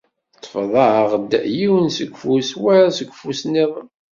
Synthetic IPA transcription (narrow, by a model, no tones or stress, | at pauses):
t̪ːˤə̥fðˤɑʕʁd̪jiwənsəɡʷfuswæɾsəɡʷfusniðˤəm